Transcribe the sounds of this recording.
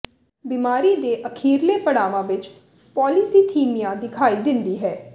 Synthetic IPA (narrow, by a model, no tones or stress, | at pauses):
bimaːɾiːd̪eːʔəkʰiːɾleːpəɽaːʋãːʋɪt͡ʃ | pɔːlisiːt̪ʰiːmijãːd̪ɪkʰaːiːd̪ɪnd̪iːɦɛː